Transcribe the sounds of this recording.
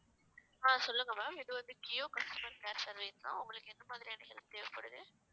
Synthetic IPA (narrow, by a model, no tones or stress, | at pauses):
aːsɔlːɯŋɡɐmaːmɪðɯʋɐnd̪ɯkɪjoːkɐsʈɐmɐɾpeːɾsɐɾʋeɪslã̰ːʊŋɡɐɭɯkːɯɛnd̪ɐmaːðɪɾɪjaːnɐɦɛlmt̪eːʋɪpːɐɽɯðɯ